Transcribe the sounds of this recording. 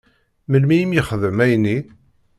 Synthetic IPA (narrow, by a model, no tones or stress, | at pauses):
məlmijimjəχəðəmæjni